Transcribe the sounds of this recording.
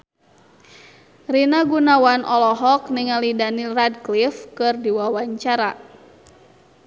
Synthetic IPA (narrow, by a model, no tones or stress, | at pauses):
rinaɡunawanʔɔlɔɦɔkniŋalidaniradklifkɨrdiwawaɲt͡ʃaɾa